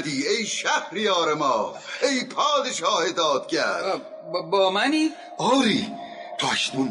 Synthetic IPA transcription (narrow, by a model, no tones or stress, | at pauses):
d̪iːejʃæhɾijɒːɾemɒːʔejpʰɒːd̪eʃɒːhet̪ɑːt̪̚cʰæɾd | bɒːmæniː | ʔɒːɾiː | t̪ʰoæʃnum